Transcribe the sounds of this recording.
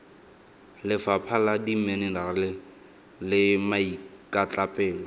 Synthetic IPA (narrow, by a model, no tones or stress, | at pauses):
lɪfapʰaladim̩menɪnaɣl | lɪmaikʼat͡ɬʼapʼɛːlɔ